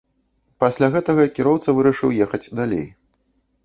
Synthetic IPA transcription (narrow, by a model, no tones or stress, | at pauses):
pasʲlʲaɣɛt̪ɐɣɐkʲiɾɔwt̪sɐvɨɾɐʂɨwjɛxɐd͡zʲd̪alʲḛj